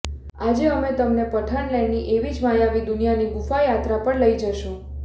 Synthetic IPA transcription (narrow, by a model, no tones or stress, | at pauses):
ad͡ʒeəmet̪əmnepəʈʰəɳleniʔeʋid͡ʒmajaʋid̪ʊnijaniɡufajat̪ɾapəɳləid͡ʒəʃõ